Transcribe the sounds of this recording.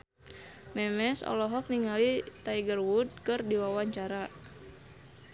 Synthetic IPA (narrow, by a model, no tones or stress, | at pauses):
mɛmɛsɔ̰lɔɦɔk̚niŋalit̪aiɡərwud̪̚kɨrdiwawaɲt͡ʃaɾa